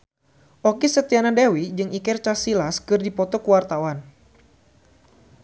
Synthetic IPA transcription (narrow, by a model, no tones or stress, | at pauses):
ʔɔkisət̪ianadawid͡ʒɨŋʔikɛrt͡ʃasilaskɨrdipɔt̪ɔkuwart̪awan